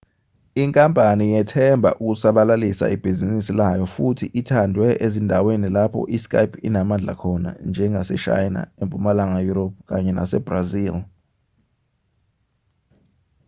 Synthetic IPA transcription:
iŋkʼampʼanijɛtʰɛmbʱa̰ʔuk̬usaɓalalisa̰ʔib̥ʱizinisilajɔfutʰiʔitʰandʱwɛʔezindʱawenilapʰɔ̰ʔiskʼa̰jpʰinamand͡ɮʱa̰kʰɔna̰nd͡ʒʱɛŋasɛ̰ʃa̰jna̰empʼumalaŋajuɾop̚ʰk̬aɲɛna̰sɛ̰b̥razil

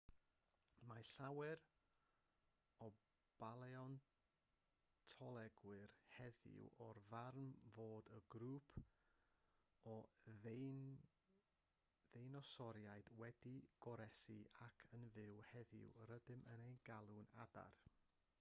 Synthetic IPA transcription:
maɬawɛr | ɔ | b̥alˠɛɔn | tʰɔlˠɛɡwɨrhɛðɪ̰wɔrvarnmvoːdəɡɾuːpʰ | ɔ | n | ðejnɔsɔɾjaɨd̥wɛdiɡ̥ɔɾɛsḭakʰənvɪwhɛðɪ̰wrədɨmʔənejnɡalˠʊna̰da̰r

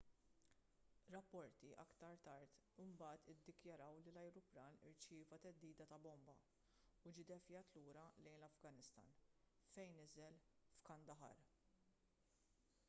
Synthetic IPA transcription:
ɾɐpːɔɾt̪iʔɐ̰kt̪ɐɾt̪ɐɾt̪ɪmbɐːt̪ɪd̪ːɪkjɐɾɐwlilɐjɾʊpɾɐːnɪ̰ɾt͡ʃɪːvɐt̪ɛd̪ːiːd̪ɐt̪ɐbɔmbɐ | ʊd͡ʒɪd̪ɛfjɐt̪luːɾɐlɛjnlɐfɡɐnɪst̪ɐ̰ːn | fɛjnɪzɛlfkɐnd̪ɐħɐ̰ɾ

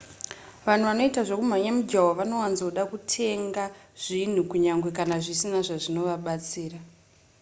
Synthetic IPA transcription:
ʋan̤uʋano̞itaʐokum̤aɲamud͡ʒawaʋano̞wanzoɗakutʰe̞ŋɡaʐ̥in̤ukuɲaŋɡwe̞kanaʐisinaʐaʐino̞ʋaɓat͡siːra

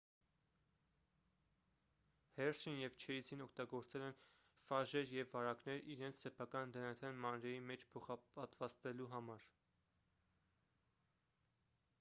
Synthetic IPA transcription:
hɛɾsinjɛvt͡ʃʰɛizinɔkʰt̪ɑɡɔɾt͡sɛlɛn | fɑʒɛɾjɛvːɑɾɑknɛɾiɾɛnt͡sʰsɛpʰɑkɑnd̪ənɑt̪ʰjɑnmɑnɾɛjimɛt͡ʃʰpʰɔχɑpɑt̪vɑst̪ɛluɦɑmɑɾ

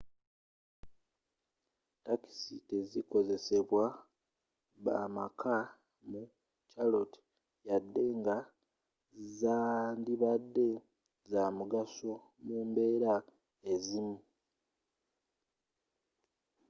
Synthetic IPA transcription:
taki̥siteziko̞ze̞se̞βwa | βa̰makʰa | mu | caloti̥ | jadːe̞ŋɡa | zaːndiβadːe̞ | zamuɡaso̞ | muːmbe̞ːɾa | e̞zimu

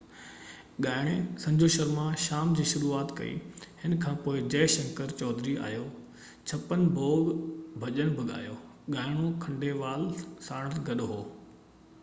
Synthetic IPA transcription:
ɠaːɪɽ̃esɐ̃ɲd͡ʑʱoʃɐɾmãʃaːmd͡ʑiːʃʊɾuːaːt̪kɐ̰ḭhɪnkʰãːpoːɪd͡ʑɛːʃɐ̃ŋkəɾt͡ɕɔːd̪ɾia̰ːjoː | t͡ɕʰɐpənbʱoːɡbʱɐʄəñbʱɐɠa̰ːjoː | ɠaːɪɽ̃okʰɐ̃ɳɖeʋaːlsaːɽ̃əlɡɐɗoɦoː

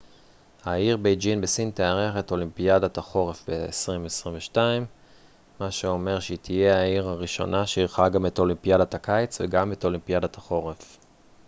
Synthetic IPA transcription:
haiʁbejd͡ʒinbesinteaʁeaχeto̞limpiadat̪aχo̞ʁefbḛːsʁimvesʁimveʃtaimː | aʃeo̞me̞ʁʃet̪ʰije̞aiʁaʁiʃo̞̰nʔaʃeiʁχaɡameto̞limpijadatakajt͡svḛɡameto̞limpijadat̪ʰaχo̞ʁef

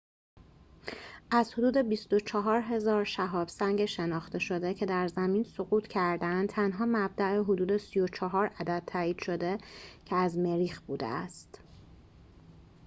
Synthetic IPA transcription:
ʔæzhod̪uːd̪e̞bist̪o̞t͡ʃʰɒɦɒːɾɦe̞zɒːɾʃæɦɒːb̥sæŋɟeʃe̞nɒːxt̪e̞ʃo̞d̪ecʰe̞d̪æɾzæmiːnsoɣuːt̪ʰcʰæɾd̪ænd̪t̪ʰænɦɒːmæb̚d̪æʔeɦod̪uːd̪e̞sijot͡ʃʰɒɦɒːɾæd̪æd̪̚ʰæːiːd̪̥ʃo̞d̪e̞cʰeæzmeɾiːxb̥uːd̪ḛæst̪

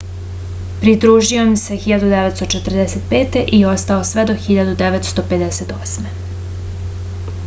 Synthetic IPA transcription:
pɾid̪ɾuːʒio̞mse̞xiʎad̪ud̪eʋet̪st̪ot͡ʃet̪r̩d̪eset̪̚peːt̪e̞ʔio̞st̪ao̞sʋe̞d̪o̞xiʎad̪ud̪eʋet̪st̪o̞pe̞d̪eset̪o̞sme̞

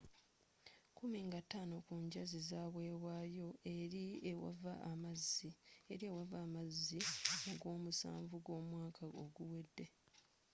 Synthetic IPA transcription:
kumiŋɡatːaːno̞kuːɲɟazizaːβwe̞ːwaːjo̞eɾiewa̰vaʔːmazːieɾiewavaːmazːioɡo̞ːmusa̰ːɱvuɡo̞ːmwaːkʰaoɡuwe̞dːe̞

